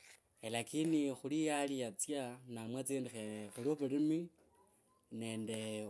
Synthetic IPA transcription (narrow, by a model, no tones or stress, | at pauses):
elakinixulijalijat͡sjanamwat͡sendixeexulioβurimi | ne̞ːnde̞